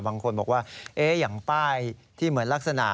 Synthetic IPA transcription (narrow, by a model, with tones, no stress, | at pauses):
baː˧ŋkʰo˧nbɔː˨˩k̚waː˥˩ʔeː˦˥ja˨˩ŋpaː˥˩jt̪ʰiː˥˩mɯ˩˦ənla˦˥k̚sa˧na˨˩